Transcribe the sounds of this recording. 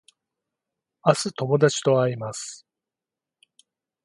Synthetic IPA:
asɨt̪o̞mo̞d̪at͡ɕi̥t̪o̞aɾimasɨ̥

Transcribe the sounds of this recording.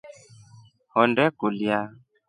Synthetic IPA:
hɔndɛkulja

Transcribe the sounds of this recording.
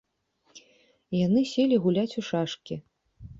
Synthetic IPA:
janɨsʲelʲiɣulʲat͡sʲuʂaʂkʲi

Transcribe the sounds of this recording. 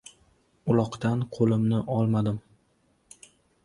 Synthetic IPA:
ʊlˠɒqt̪anqʰolɪmnɪʔɒlˠmad̪ɪm

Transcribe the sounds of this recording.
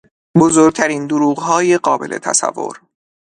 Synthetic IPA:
bozoɾɡ̚t̪ʰæɾiːnd̪oɾuːɣɦɒːjeɢɒːbe̞̰lʔe̞̰t̪ʰæ̰sæ̰vːo̰ɾ

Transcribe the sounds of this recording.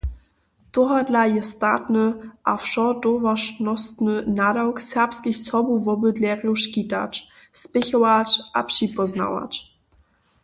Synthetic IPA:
toɦadlajɛstatnəʔafʃɔdɔvaʃnɔst̪nənadawksɛʁpskiçsɔbuvɔbɵdlɛʁjuʃkita̰t͡ʃ | spɪçɔwat͡ʃʔa̰pʂipɔzna̰wa̰t͡ʃ

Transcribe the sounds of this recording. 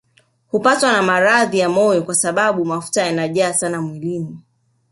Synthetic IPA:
hupatwanamaɾaðijamɔjɔkwasaɓaɓumafu̥tajanaʄaːsanamwilini

